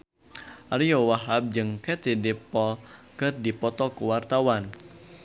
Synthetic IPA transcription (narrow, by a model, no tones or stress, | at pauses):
ʔaɾiɔwaɦab̚d͡ʒɨŋkɛt̪idipɔkɨrdipɔt̪ɔkuwart̪awan